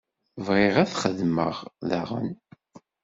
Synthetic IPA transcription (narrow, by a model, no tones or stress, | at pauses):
vʁɪʁæθχəðməʁða̰ʁə̰n